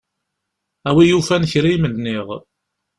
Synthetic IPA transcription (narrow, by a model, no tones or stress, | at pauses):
æwijufænçɾimənːiʁ